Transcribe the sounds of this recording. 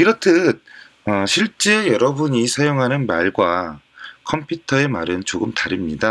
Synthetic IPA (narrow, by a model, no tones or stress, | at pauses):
iɾʌtʰɯt̚ | ʌɕʰiɭt͡ɕ͈ejʌɾʌbuɲisʰajoŋɦanɯnmaɭɡwa | kʰʌmpʰjutʰʌe̞maɾɯnt͡ɕoɡɯmtaɾimɲida